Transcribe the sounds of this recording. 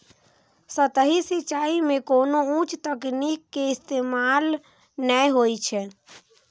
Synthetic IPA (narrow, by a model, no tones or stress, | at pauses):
sət̪əɦisit͡ʃaimekonoũt͡ʃt̪əknikːeɪst̪emal | nəjɦojt͡ʃʰɛ